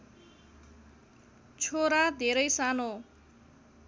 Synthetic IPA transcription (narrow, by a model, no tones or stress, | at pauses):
t͡sʰoɾad̪ʱeɾʌjsano